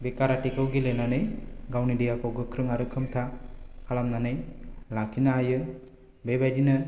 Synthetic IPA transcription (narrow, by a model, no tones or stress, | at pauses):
bekaɾaʈikɐwɡilenaneɡawnidijakɔɡɯkʰɾɯŋaɾɯkʰɯmt̪ʰakʰalamnanelakʰinaːjɯ | bebajdinɯ